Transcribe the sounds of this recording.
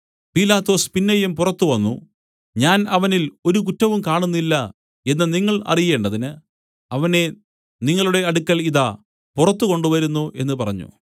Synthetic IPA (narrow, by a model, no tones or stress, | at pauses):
piːlaːt̪ːo̞ːspinːɐjɐmpurɐt̪ːuʋɐnːṵ | ɲaːnɐʋɐnilo̞ɾuk̬utːɐʋumkaːɳunːilːɐ | e̞nːɨniŋːɐɭɐ̰rije̞ːɳɖɐðinɨ | ɐʋɐne̞ | niŋːɐɭuɽe̞ɐɽukːɐliða | purɐt̪ːuko̞ɳɖuʋɐɾunːuʔe̞nːɨpɐrɐɲːṵ